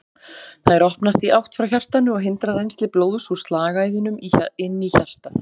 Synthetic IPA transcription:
θajɾɔhpnast̪iʔawht̪fɾawçar̥t̪anʏɔɣɦɪnt̪ɾaɾejnst̪lɪploːwðsust̪laːɣaːjðɪnʏmiɪnːiçar̥t̪aθ

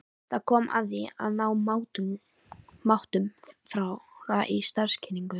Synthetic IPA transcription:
θaðkʰɔːmʔa̰vðia̰ðnaːwmawt̪ | mawht̪ʏmfɾawaʔist̪aɾ̥scʰɪniŋkʏ

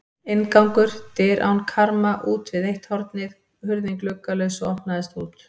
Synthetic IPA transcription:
ɪnkawŋkʏɾ̥t̪ɪːɾʔa̰wnkʰaɾmaʔuːt̪vɪðejht̪hɔɾt̪nɪð | hʏɾðɪŋklœkalœɥsʏɔhpnaðɛst̪uːt̪

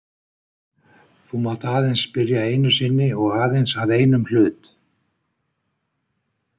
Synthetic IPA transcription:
θumat̪aːðejnspɪɾjaeːjnʏsɪnːɪɔɣaːðejnsavðeːjnʏml̥ʏːt̪

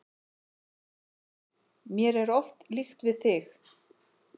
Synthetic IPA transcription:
mjɛɾɛɾɔft̪lixt̪vɪðθɪx

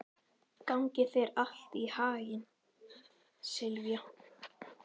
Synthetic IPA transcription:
kawŋcɪθejɾahl̥t̪ihaːjɪn | sɪlvja

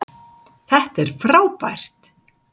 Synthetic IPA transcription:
θɛht̪ɛɾ̥fɾaːwpajr̥t̪

